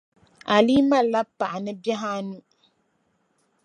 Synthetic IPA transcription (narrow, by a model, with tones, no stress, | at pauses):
a˨liː˦ma˦la˦pa˨ʔa˨nɨ˦bɛ˦ɦa˦nu˦